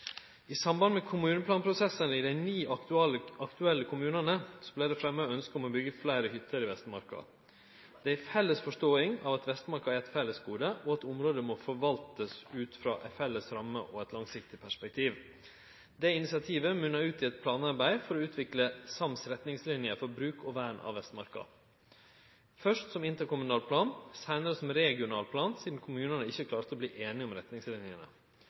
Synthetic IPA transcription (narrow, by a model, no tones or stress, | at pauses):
ɪsɑmbɑnmɛkʰʊmʉːnəpʰlɑːnpʰɾʊsɛsənəɪd̪æɪniːɑlɑkt̪ʉɛlːəkʰʊmʉːnənəsɔblæɪd̪ɛfɾɛmːøœnskəɔmɔbʏɡəflæɪɾəhʏt̪ʰːəɾɪʋɛst̪mɑ̰ɾkɑ̰ | d̪̥ɛæɾfɛlːəsfɔʂtoːɪŋɑːʋɑt̪ʋɛst̪mɑɾkɑæɾɛt̪fɛlːəsɡuːd̪əʔɔɑt̪ʊmɾoːd̪əmɔfɔɾʋɑlt̪əsʉːt̪fɾɑ̰ːʔɛfɛləsɾɑmːə̰ʔɔɛt̪lɑŋsɪk̚t̪ɪpʰæʂpɛk̚t̪ʰiːʋ | d̪ɛɪnɪsɪɑt̪ʰiːʋəmʉnːɑʉːt̪ɪɛt̪̚pʰlɑːnɑɾbæɪfɔɾɔʉːt̪ʰʋɪkləsɑmsɾɛt̪nɪŋslɪnjəfɔɾbɾʉːkʰɔʋæːɳɑ̰ʋɛst̪mɑɾkɑ̰ | fœʂtsɔmɪnt̪əɾkʊmʉnɑːlpʰlɑːnsæɪnəɾəsɔmɾɛɡɪʊnɑːlpʰlɑːnsiːd̪n̩kʰʊmʉːnənəɪçːəkʰlɑːɾt̪əɔbliːʔeːnɪɔmɾɛt̪nɪŋslɪnɪənə̰